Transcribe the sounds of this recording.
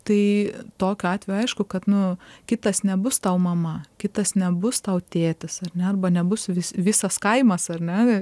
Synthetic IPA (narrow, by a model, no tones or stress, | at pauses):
t̪ɐɪt̪oːkʲoɑːt̪ʲʋʲejoɐɪʃkʊkɐt̪nʊkʲɪt̪ɐsnʲɛbʊst̪ɐʊmɐmɐkʲɪt̪ɐsnʲɛbʊst̪ɐʊt̪ʲeːt̪ʲɪsɐrnʲɛɐrbɐnʲɛbʊsʋʲɪsʋʲɪsɐskɐɪmɐsɐrnʲɛ